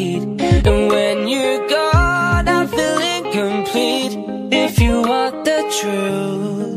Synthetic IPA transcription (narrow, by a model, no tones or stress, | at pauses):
ɾɨ̃nwɨ̃njəɡɑɾaɪfilˠɪ̃ŋkʰɨ̃mpʰl̥iɾ | ɪfjɨwɑ̃n̚ðɨtʰɹ̥u